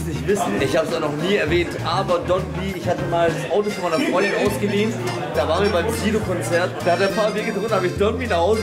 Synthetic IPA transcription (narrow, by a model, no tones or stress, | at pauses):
snɪçtv̥ɪsn̩ɪçhaːbəsoɡanɔχniːɛɐvɛːntʔaːbɐdɔnviːɪçhatəmaːldasʔaʊtofɔnmaɪnɐfʁɔ̃ʏndnʔaʊsɡ̥ədiːnt | d̥aːvaːənviɐbaɪmkʰiːɾokʰɔnt͡sɛɐtaːhat̚deɐpʰaːɐveːɡədʁʊnn̩haːbəɪçd̥ɔnbiːnaχhaʊzə